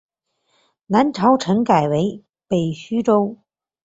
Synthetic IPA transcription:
na˨˥nʈ͡ʂʰɐ˨˥wʈ͡ʂʰə˨˥ŋkaː˨˩jwe˨˥j | pe˨˩jɕyː˥ʈ͡ʂo˥w

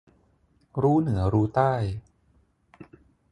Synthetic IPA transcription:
ɾuː˦˥nɯ˩˦ɐɾuː˦˥t̪aː˥˩j

